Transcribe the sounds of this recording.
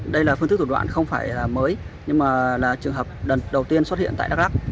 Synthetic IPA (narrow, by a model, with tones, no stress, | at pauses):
ɗə˧jlaː˨˩fɨ˧t̪ɨ˦˥k̚t̪ʰu˧˩wa̰ː˧˨nxə˧wŋ͡mfaː˧˩jlaː˨˩məː˨˦jɲɨ˧ŋmaː˨˩laː˨˩t͡ɕɨ˨˩əŋɦəː˨˩p̚ɗə˨˩ɗə˨˩wt̪i˧ənswt̚ḭ˧ənt̪a̰ː˧˨ɗk̚ɗa˦˥k̚